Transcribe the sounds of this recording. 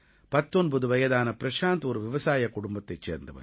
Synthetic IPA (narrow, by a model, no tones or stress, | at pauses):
pɐt̪ːɔnbɐðɯʋɐjɐðaːnɐpɪɾɐʂaːnt̪uɾʋɪʋɐsaːjɐkːʊɽʊmbɐt̪ːɐɪt͡ʃːeːɾnd̪ɐʋɐ̰